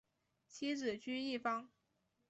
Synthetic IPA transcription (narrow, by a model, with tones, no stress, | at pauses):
t͡ɕʰi˥ʈ͡ʂɹ̩˨˩t͡ɕy˥i˥˩fɑ˥ŋ